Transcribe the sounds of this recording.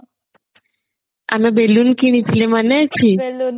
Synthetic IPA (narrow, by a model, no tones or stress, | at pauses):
a̰mebelunkiɽ̃it͡ʃʰlemanɛt͡ʃʰi